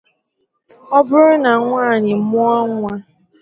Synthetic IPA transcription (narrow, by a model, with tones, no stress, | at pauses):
ɔ˦bʊ˦ɾʊ˦na˨˦ŋʷaː˦˨ɲɪ˨mʊ˦ɔ˦ŋʷa˦